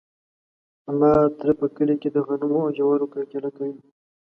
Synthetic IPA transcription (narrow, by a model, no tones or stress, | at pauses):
amɑt̪ɾepəkəliked̪əɣanumoaʒawaɾokakelakawi